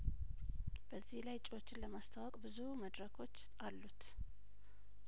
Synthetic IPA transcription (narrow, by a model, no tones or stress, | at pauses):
b̥əzːihlajt͡ʃʼɪwo̞t͡ʃːɪnləmast̪ʰawɔkʼbɨzuməd̪ɾəkʰo̞t͡ʃː | alːut̪